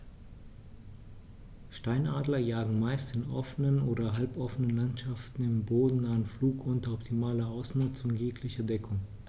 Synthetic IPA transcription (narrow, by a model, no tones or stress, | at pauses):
ʃtaɪnʔaːdlɐjaːɡŋ̩maɪstɪnʔɔfənənoːdɐɦalpʔɔfənənlantʃaftn̩ɪmboːdn̩naːənfluːkʔʊntɐɔptʰimaːlɐʔaʊsmuːt͡sʊnjeːkʰlɪçɐdɛkʰʊŋ